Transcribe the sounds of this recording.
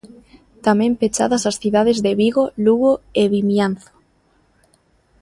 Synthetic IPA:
t̪amɛ̃mpet͡ʃa̰ðɐsasθiðaðezðeβiɣoluɣoeβimjanθo̥

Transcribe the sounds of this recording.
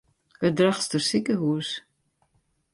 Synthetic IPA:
ədraχstərsikəɦuəs

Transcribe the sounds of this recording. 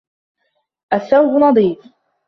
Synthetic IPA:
ʔaθːawbʊnɑd̪ˤiːf

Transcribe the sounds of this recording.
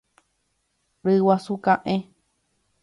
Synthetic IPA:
ɾɨwasukãʔẽ

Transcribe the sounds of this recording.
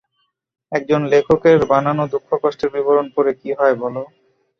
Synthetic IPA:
ɛk̚d͡ʑonlekʰokeɾbananod̪ukʰːokɔʃʈeɾbiboɾonpoɾekiɦɔebɔlo

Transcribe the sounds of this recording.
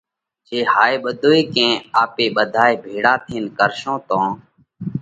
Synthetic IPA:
t͡ʃeːhaːeːɓəd̪ʱoːiːkẽːaːpeːɓəd̪ʱaːeːbʱeːɽaːt̪ʰiːnkəɾʃõːt̪õː

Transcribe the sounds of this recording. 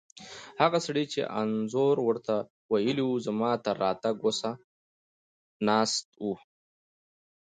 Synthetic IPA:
haɣasɽit͡ʃḛʔa̰nzoɾwəɾt̪a | wajəliwuzamɑːt̪aɾɑt̪aɡosa | nɑːst̪̚wu

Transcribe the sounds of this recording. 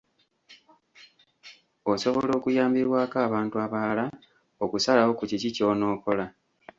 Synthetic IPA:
o̞so̞βo̞lo̞ːkujaːmbiɾwaːkaːβaːntuaβaala | okusalawo̞kucicico̞ːno̞ːko̞la

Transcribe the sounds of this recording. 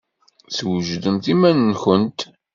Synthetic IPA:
θwəʒðəmθimænːnçənt̪

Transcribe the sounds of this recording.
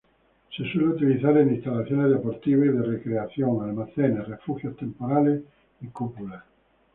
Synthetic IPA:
seswɛleut̪iliθaɾenist̪alːaθjoneðepoɾt̪iβeðerekɾeaθjoŋalmaθɛnerefuxjost̪empoɾale | ekːupula

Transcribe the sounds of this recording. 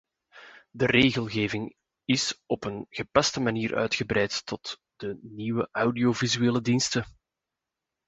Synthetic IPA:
dəreːɣəlˠɣeːvɪŋ | ɪsɔpənɣəpɑstəmaniːrʔœ̰ːɥtxəbɾɛjtːɔtd̥əniwəʔawdiovizyeːlədinstə

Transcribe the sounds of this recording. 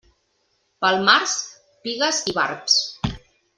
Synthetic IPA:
pəlˠmaɾs | piɣəziβa̰ɾps

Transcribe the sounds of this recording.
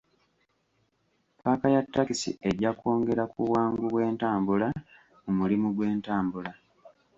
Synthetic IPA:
pʰaːkajatːakisḭe̞ɟako̞ːŋɡe̞ɾakuwaːŋɡuβwe̞ːntaːmbula | mumulimuɡwe̞ːntaːmbula

